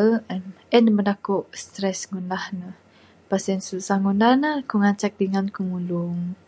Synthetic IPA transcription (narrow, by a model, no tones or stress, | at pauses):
lm | ɛnəmənakoʔst̪ɾɛsŋundahnəh | pasɛnsusahŋundahnəhkuŋat͡ʃɛk̚diŋankumuluŋ